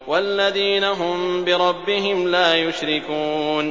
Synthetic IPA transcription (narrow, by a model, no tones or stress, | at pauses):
walːaðiːnaɦʊmbɪɾˤɑbːɪɦɪmlaːjʊʃɾɪkuːn